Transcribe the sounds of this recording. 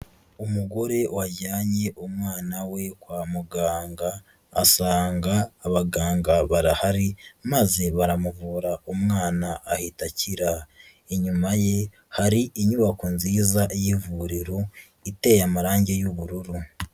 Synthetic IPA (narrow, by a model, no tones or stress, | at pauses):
umuɡo̞ɾe̞waɟaːɲe̞ʔumŋaːnawe̞kwaːmuɡaːŋɡa̰ː | saːŋɡaːβaɡaːŋɡaβaɾahaɾimaze̞βaɾamuvuːɾaumŋaːnaʔːhitaciɾa | eɲumaje̞ | haɾiʔiɲuβakunziːzaʔjivuɾiɾo | ite̞jamaɾaːɲɟe̞juβuɾuɾu